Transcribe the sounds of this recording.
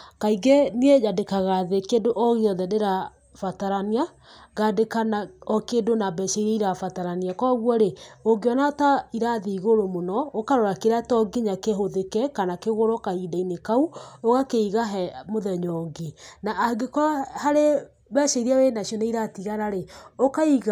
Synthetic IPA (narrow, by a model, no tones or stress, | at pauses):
kaiɡɛniejadekaɣaðekedoʔɔɣeɔðɛdeɾa | fataɾania | ɡadekanaɔkeːdonabɛʃeiɾɛiɾafataɾaniakɔɣwɔɾeoɡeɔnataiɾaðiiɣoɾomonɔokaɾɔɾakeɾatɔɡiɲakeɦoðekɛkanakeɣoɾɔkaidainekauoɣakeiɣaɦɛmoðɛɲɔɡenaʔːɡekɔhaɾe | βɛʃeiɾiawenaʃiɔneiɾatiɣaɾaɾeokaiɣ